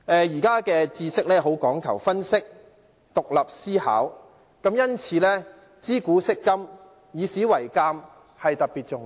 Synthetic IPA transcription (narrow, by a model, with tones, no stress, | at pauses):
ɛː˧jiː˨˩kaː˥kɛː˧t͡siː˧sɪ˥k̚lɛː˥ɦo˨˥wkɔː˨˥ŋkʰɐ̰˨˩wfɐ˥nsɪ˥k̚ | t̪ʊ˨k̚lɐ˨p̚siː˥ha̰ː˨˥w | kɐ˨˥mjɐ˥nt͡sʰiː˨˥lɛː˥ | t͡siː˥kuː˨˥sɪ˥kːɐ˥m | jiː˨˧siː˨˥wɐ˨˩jkaː˧m | hɐ˨jt̪ɐ˨k̚piː˨t̚t͡sʊ˨ŋ